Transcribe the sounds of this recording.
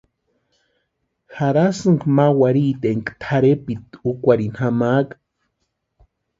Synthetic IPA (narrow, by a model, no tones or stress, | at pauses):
xaɾasɨŋkmawaɾiːt̪eŋkt̪ʰaɾepit̪ukʷaɾinhamaːk